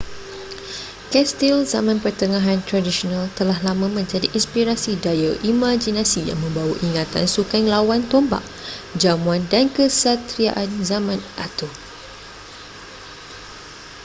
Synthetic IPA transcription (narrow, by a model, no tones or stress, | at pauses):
kɛst̪ilzamãnpərt̪əŋãɦant̪ɾadisonalt̪əlaɦlamãmə̃ɲd͡ʒadiʔinspiɾasidajaʔimad͡ʒinãsija̰ŋmə̃mbawa̰ʔiŋat̪a̰nsukaŋlawant̪ɔmba̰ʔ | d͡ʒamuandankəsat̪ɾia̰ʔanzamãnʔat̪o